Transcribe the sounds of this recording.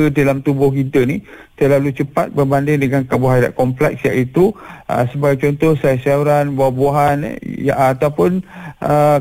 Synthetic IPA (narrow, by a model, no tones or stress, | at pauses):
ədalamt̪ubʊhkit̪ənit̪əlalut͡ʃəpat̪̚bərbandɪŋdəŋankaboɦada̰ʔkɔmplɛk̚siaʔit̪uə̰səbaɡajt͡ʃɔnt̪ɔhsasauɾanbaaboaɦan̰jaat̪awpʊnʔə